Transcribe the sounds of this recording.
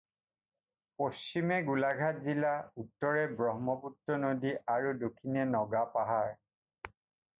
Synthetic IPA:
post͡ʃimɛɡulaɡʱat̚zilautːɔɹɛbɹɔɦmɔputːɔnodiʔaɹudokʰinɛnɔɡapaɦaɹ

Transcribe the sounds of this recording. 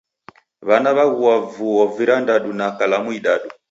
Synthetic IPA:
βanaβaɣuwavuɔviɾandaɗunakalamuiɗaɗu

